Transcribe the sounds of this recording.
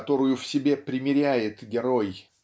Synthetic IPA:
t̪o̞ɾʊjʊfsʲɪbʲe̞pɾʲɪmʲɪɾʲæjɪt̪ɡʲɪɾo̞j

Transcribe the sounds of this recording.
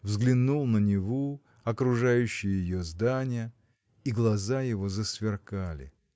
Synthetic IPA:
vzɡlʲɪnːulˠnənʲɪvo | ɐkɾʊʐajʉɕːɪjəjɪjozd̪anʲɪjə | iɡlˠɐzajɪvo̞zəsvʲɪrkalʲɪ̰

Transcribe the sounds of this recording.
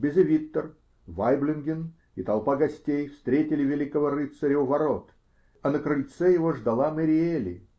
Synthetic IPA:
bʲɪzɪvʲit̪ːər | vajblʲɪnɡʲɪn | it̪ɐlˠpaɡɐsʲtʲejfst̪ɾʲetʲɪlʲɪvʲɪlʲikəvəɾɨt̪səɾʲɪuvɐɾot̪ | ɐnəkɾɨlʲt̪sɛjɪvoʐd̪ɐlˠaməɾʲɪelʲɪ̰

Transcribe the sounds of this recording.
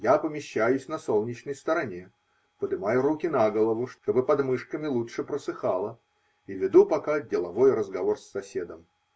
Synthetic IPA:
japəmʲɪɕːæjʊsʲnɐso̞lˠnʲɪt͡ɕnəjst̪əɾɐnʲe̞ | pəd̪ɨmajʊɾukʲɪnaɡəlˠəvʊʂt̪t̪o̞bɨpɐd̪mɨʂkəmʲɪlˠutʂɨpɾəsɨxalˠə | ivʲɪd̪upɐkadʲɪlˠɐvo̞jɾəzɡɐvo̞rsːɐsʲe̞d̪əm

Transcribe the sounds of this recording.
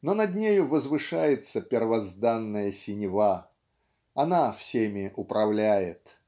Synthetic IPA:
nonɐd̪ʲnʲejʊvəzvɨʂajɪt̪səpʲɪrvɐzd̪anːəjəsʲɪnʲɪva | ɐnafsʲemʲɪʔʊpɾɐvlʲæjɪt̪

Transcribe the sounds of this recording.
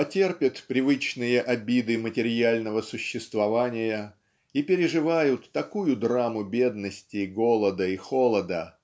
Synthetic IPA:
pɐtʲe̞rpʲɪt̪pɾʲɪvɨt͡ɕnɨjəʔɐbʲid̪ɨmətʲɪɾʲjalʲnəvəsʊɕːɪst̪vɐvanʲɪjə | ipʲɪɾʲɪʐɨvajʊt̪ːɐkujʊd̪ramʊbʲe̞d̪nəsʲtʲɪɡolˠəd̪əixolˠəd̪ə

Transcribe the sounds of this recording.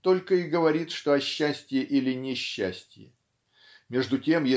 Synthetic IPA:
t̪o̞lʲkəiɡəvɐɾʲit̪ʂt̪o̞ɐɕːæsʲtʲjɪʔilʲɪnʲɪɕːæsʲtʲjɪ̰ | mʲe̞ʐd̪ʊtʲe̞mje

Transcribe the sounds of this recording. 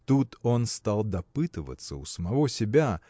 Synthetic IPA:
t̪ut̪o̞nst̪alˠd̪ɐpɨt̪ɨvə̰t̪sːə̰ʊsəmɐvo̞sʲɪbʲa

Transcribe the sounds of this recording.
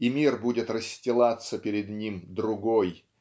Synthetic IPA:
imʲirbudʲɪt̪rəsʲtʲɪlˠat̪səpʲɪɾʲɪd̪nʲimd̪ɾʊɡoj

